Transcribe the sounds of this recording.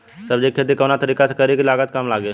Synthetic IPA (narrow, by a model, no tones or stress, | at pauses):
sɐbd͡ʒekʰet̪̬ikɐːnat̪ɐɾiːkasekɐɾekilaːɡət̪kamlaːɡeː